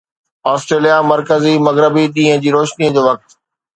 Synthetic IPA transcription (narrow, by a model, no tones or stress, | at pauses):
aːsʈɾeːlijamɐɾkəzimɐɣɾɪbiɗĩːɦə̃d͡ʑiːɾoːʃniə̃d͡ʑoːʋɐk̚t̪